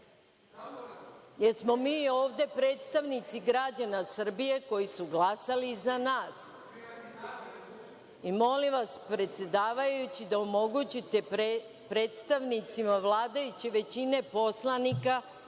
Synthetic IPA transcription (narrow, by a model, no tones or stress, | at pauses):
jeɾsmo̞miːo̞ːʋd̪e̞pɾe̞ːt̪st̪aʋnit̪siɡɾad͡ʑanasr̩bije̞ko̞jisuɡlasalizanaːs | imo̞limʋaspɾe̞t̪sʲe̞d̪aːʋajjut͡ɕid̪aomo̞ɡut͡ɕit̪e̞ | pɾe̞ːt̪st̪aʋnit̪simaʋlˠaːd̪ajut͡ɕiʋe̞t͡ɕine̞po̞slanika